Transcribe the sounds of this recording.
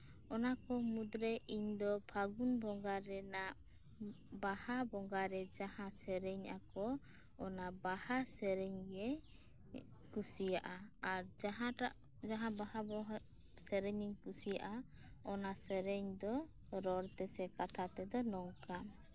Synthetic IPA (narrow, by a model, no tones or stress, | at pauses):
ɔnakɔmud̪ɾɛʔiɲd̪ɔpʰaɡunbɔŋɡaɾɛnaʔ | bahabɔŋɡaɾɛd͡ʒahãsɛɾɛɲakɔ | ɔnabahasɛɾɛɲɛ | kusijaʔaaɾaɦaʈaʔ | d͡ʒaɦãbahabɔ | sɛɾɛɲiɲkusija̰ʔa | ɔnasɛɾɛɲd̪ɔ | ɾɔɾt̪ɛsɛkat̪ʰat̪ɛd̪ɔnɔŋka